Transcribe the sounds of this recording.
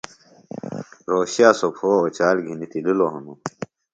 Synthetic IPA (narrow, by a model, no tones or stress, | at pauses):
ɾoːɕjaːsopʰoːot͡ɕaːlɡʱinit̪ililoɦɐno